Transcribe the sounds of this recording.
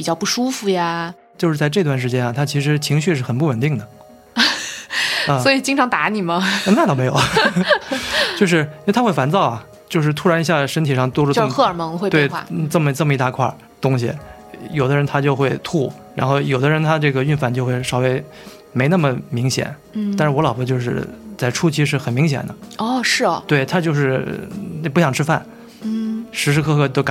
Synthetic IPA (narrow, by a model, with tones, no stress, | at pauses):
pi˨˩t͡ɕjɑ˥˧ʊpu˥˩ʂu˥fu˧ja˧ | t͡ɕjo˥˧ʊʂɻ̩˥˧t͡sa˥˧ɪʈ͡ʂt̪wa˥˩nʂ̬ɻ̩˧˥t͡ɕjɛ˥nɐ˨˩t̪ʰa˥t͡ɕʰi˧˥ʂ̬ɻ̩˧˥t͡ɕʰi˧˥ŋɕy˥˧ʂɻ̩˥˩xə˨˩npu˥˩wə˨˩nt̪i˥˩ŋd̪ə˩ | ə˥˧swɔ˧˥i˨˩t͡ɕi˥ŋʈ͡ʂʰɑ˧˥ŋt̪a˧˥ni˨˩mɐ˦ə˧na˥˩t̪o˥ʊme˧˥ɪjo˨˩˦ʊ | t͡ɕjʊʂ̬ɻ̩˥˧˥t̪ʰxwe˥˩ɪfa˧˥nt͡sɑ˥˩ʊɐ˩ | t͡ɕjo˥˧ʂɻ̩˥˩t̪ʰu˥ɻa˧˥ni˧˥ɕja˥˩ʂə˥nt̪ʰi˨˩ʂɑ˥˩ŋt̪wɔ˥ʈ͡ʂu˥˧˥ʊ˥xɤ˥˩ə˞˨˩mɤ˧˥ŋxwe˥˧t̪e˥˧ɪxwa̰˧˩ʈ͡ʂə˥˩mə˩˥ʈ͡ʂə˥˩mə˩i˧˥t̪a˥˧kʰwa̰˥˩ | t̪ʊ˥ŋɕḭ˨ | jo˨˩ʊd̪ə˦ɻə˧˥nt̪ʰa˥t͡ɕjo˥˧ʊxwe˥˧ɪt̪ʰu˥˩ | ɻa˧˥nxo˥˩ʊjo˨˩ʊd̪ə˦ɻə˧˥nt̪ʰa˥ʈ͡ʂɤ˥˩ɡə˩y˥˧nfa˥˩nt͡ɕjo˥˧xwe˥˩ɪʂɑ˥˩ʊwe˥˩ɪ | me˧˥ɪna˥˩mə˩mi˧˥ŋɕjɛ̰˨˩˦n | t̪a˥˧nʂɻ̩˥˩wɔ˧˥lɑ˨˩ʊbə˥t͡ɕjo˥˧ʊʂ̬ɻ̩˥˩t͡sa˥˩ɪʈ͡ʂʰu˥t͡ɕʰi˧˥ʂ̬ɻ̩˥˩xə˨˩nmi˧˥ŋɕ̬jɛ̰˨˩nd̪ə̰˦ɔ˥˩ʂɻ̩˥˩t̪we˥˩ɪt̪ʰa˥t͡ɕjo˥˧ʊʂ̬ɻ̩˥˩˥ | p̬ɕjɑ˨˩ŋʈ͡ʂʰɻ̩˥fa̰˥˩n | ʂɻ̩˧˥ʂ̬ɻ̩˧˥kʰɤ˥˧xʰɤ˥˩t̪o˥ʊka˨